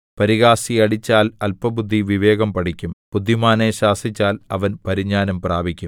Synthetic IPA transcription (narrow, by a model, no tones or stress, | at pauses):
pɐɾiɣaːsiɐɽit͡ɕːaːlɐlpɐbud̪ʱːiʋiʋe̞ːɣɐmpɐɽikʲːumpud̪ʱːimaːneɕaːsit͡ɕːaːlɐʋɐnpɐɾiɲːaːnɐmpraːbʱikʲːum